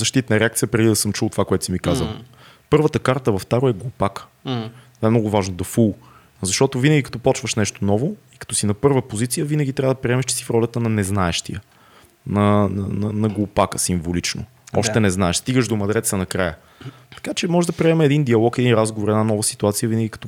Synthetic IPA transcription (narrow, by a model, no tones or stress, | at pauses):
zɐʃt̪it̪nɐɾɛakt̪sijəpɾɛd̪id̪ɐsɤmt͡ʃulˠt̪ovakoɛt̪ʊsimikazə̰lˠ | pɤɾvət̪əkaɾt̪əvɐft̪aɾoɛɡlˠupakə̥ | aɛmnɔɡʊvaʒnod̪ɐfulˠ | zɐʃt̪ɔt̪ovinəɡʲikɐ̥t̪ɔpɔt͡ʃvəʃnɛʃt̪onɔvoikɐ̥t̪ɔsinɐpɤɾvəpozit̪sijəvinəɡ̟ʲit̪ɾʲavɐəd̪ɐpɾiɛmɛʃt͡ʃɛ̥sifɾɔlʲət̪ənɐnɛznaɛʃt̪ḭjə | nɐnnɐnɐɡlˠupakəsiɱvolit͡ʃno̰ | ɔʃt̪ɛnɛznaɛʃst̪iɡəʃd̪omɐd̪ɾɛt̪sənɐkɾajə | t̪ɐ̥kat͡ʃɛmɔʒɛd̪ɐpɾiɛmɛɛd̪ind̪iɐlˠɔkɛd̪inɾazɡovoɾɛd̪nanɔvəsi̥t̪uat̪sijəvinəɡʲikɐ̥t̪ɔ